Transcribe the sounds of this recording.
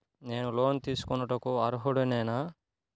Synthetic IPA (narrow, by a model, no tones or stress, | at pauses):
neːnulo̞ːnt̪iːsu̥kɔnːɐʈɐkuɐɾuɦuɽunɛːna